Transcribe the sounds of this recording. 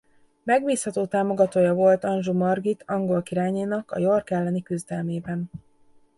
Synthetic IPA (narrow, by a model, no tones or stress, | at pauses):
mɛɡbiːshɒt̪oːt̪aːmo̞ɡɒt̪oːjɒvo̞lt̪ɒnʒumɒrɡit̪ʰɒŋɡo̞lkiɾaːɲeːnɒkɒ̰jo̞rkɛlːɛnikyzd̪ɛlmeːbɛn